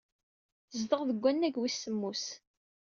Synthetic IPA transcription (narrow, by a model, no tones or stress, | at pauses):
zd̪əʁðəɡʷːænːæɡwisːəmːus